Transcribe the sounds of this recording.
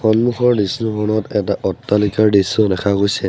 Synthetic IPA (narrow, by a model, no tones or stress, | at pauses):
xɔnmuxɔɹdisnuxɔnɔtɛt̬aʔɔtːalikaɹdisɔdɛkʰaɡojsɛ